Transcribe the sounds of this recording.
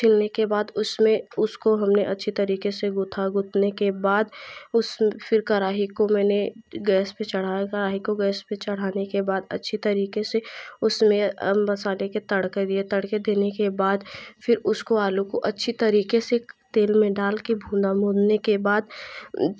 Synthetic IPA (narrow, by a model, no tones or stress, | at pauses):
t͡ʃʰɪlnekebaːd̪ʊsmẽʊskoɦɐmneʔɐtːʃʰit̪ɐɾiːkeseɡʊt̪ʰaɡʊt̪ʰnekebaːd̪ʊsfɪɾkɐɾaːɦikomɛːneɡɛːspet͡ʃɐɽ̤aːkɐɾaːɦikoɡɛːspet͡ʃɐɽ̤aːnekebaːd̪ɐ̰tːʃʰit̪ɐɾiːkeseʊsmẽmɐsaːleket̪ɐɽked̪iet̪ɐɽked̪eːnekebaːd̪fʰɪɾʊskoaːlukoʔɐtːʃʰit̪ɐɾiːkeset̪eːlmẽɖaːlkebʱũːd̪amoːd̪nekebaːd̪